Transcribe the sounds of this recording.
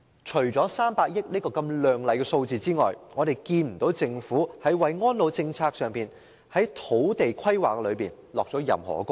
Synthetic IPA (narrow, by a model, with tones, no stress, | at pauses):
t͡ʃʰɵ˨˩ɥt͡sɔː˨˥saː˥mpaː˧k̚jɪ˥k̚niː˥kɔː˧kɐ˧mlœː˨ŋlɐ˨˧jkɛ˧so˧wt͡siː˨t͡siː˥ŋɔ̰ː˨jŋɔː˨˧ɾe˨˩jkiː˧nm̩˨˩t̪o˨˥wt͡sɪ˧ŋfuː˨˥hɐ˨˥jwɐ˨jŋɔː˥nlo˨˧wt͡sɪ˧ŋt͡sʰaː˧k̚sœː˨ŋpiː˨˩n | hɐ˨˥jt̪ʰo˨˥wt̪e˨jkʰɐ˥jwaː˨˩kːɛ˧lɵ˨˧ɥpiː˨n | lɔː˨k̚t͡sɔː˨˥jɐ̰˨mhɔ̰ː˨˩kʊ˥